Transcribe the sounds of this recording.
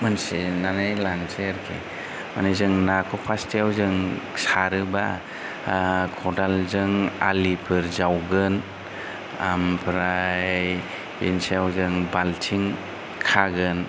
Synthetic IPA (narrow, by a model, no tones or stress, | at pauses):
mansenanajlanseaɾkʰḛ | ma̰nizɯŋnakʰɔpʰastʰijawzɯŋsaɾɯba | kʰɔdalzɯŋa̰lipʰɯɾzawɡɯn | ampʰɾa | insejawzɯŋbaltʰiŋ | kʰaɡɯn